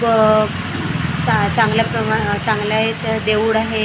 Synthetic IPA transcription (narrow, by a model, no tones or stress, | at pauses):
at͡sãŋɡljapɾəmat͡saŋɡljajt͡sad̪eʋuɽaɦe